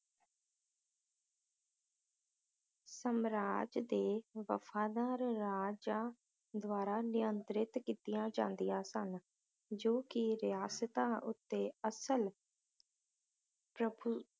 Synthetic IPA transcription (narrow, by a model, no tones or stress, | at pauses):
səmɾaːd͡ʒd̪eːʋə̰fʰaːd̪aːɾːaːd͡ʒaː | d̪ʋaːɾaːnɪjənt̪ɾɪt̪kiːt̪ɪjãːd͡ʒã̰ːnd̪ijãːsən | d͡ʒoːkɪɾɪjaːsət̪ãːʔʊt̪ːeːəsəl | pɾəbu